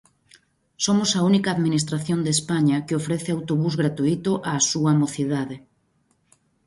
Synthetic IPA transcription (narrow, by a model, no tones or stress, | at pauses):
somʊsɐunikaːðminist̪ɾaθjond̪espaɲɐkɪofɾɛθɪawt̪oβuzɣɾat̪uit̪ʊʔasuamoθiðaðɪ